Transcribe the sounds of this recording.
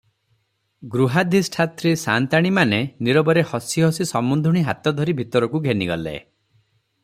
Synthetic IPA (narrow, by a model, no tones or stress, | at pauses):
ɡɾuɦad̪ʱisʈʰat̪ɾisant̪aɽ̃imaneniɾɔbɔɾehɔsiɦɔsisɔmund̪ʱuɽ̃iɦat̪ɔd̪ʱɔɾibʱit̪ɔɾɔkuɡʱeniɡɔlḛ